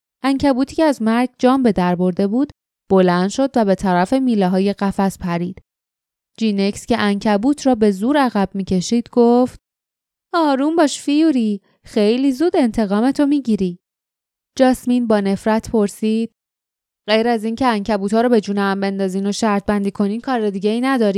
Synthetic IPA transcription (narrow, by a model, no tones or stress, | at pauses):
ʔæɲcʰæbuːt̪ʰiːcʰeæzmæɾɡ̚d͡ʒɒːmbe̞d̪æɾbo̞ɾd̪e̞buːd̪̥ | b̥o̞lænd̪ʃo̞d̪væbe̞t̪ʰæɾæfe̞miːlɛɦɒːje̞ɣæfæspʰæɾiːd̪̥ | d͡ʒiːnecsceʔæɲcʰæbuːt̪ʰɾɒːbe̞zuːɾæɣæb̥miːcʰe̞ʃiːd̪̥ɡoft̪ | ɒːɾumbɒːʃfijuɾi | xe̞jliːzuːd̪e̞nt̪ʰe̞ɣɒːme̞t̪ʰo̞miːɟiɾi | d͡ʒɒsminbɒːne̞fɾæt̪ʰpʰo̞ɾsiːd̪̥ | ɢ̥ejɾæziːncʰeæŋcʰæbuːt̪ʰɒːɾɔbe̞d͡ʒuːneæmbe̞nd̪ɒːziːno̞ʃæɾt̪̚ʰbænd̪iːkʰo̞niːnkʰɒːɾed̪iɟeiːnæd̪ɒːɾiː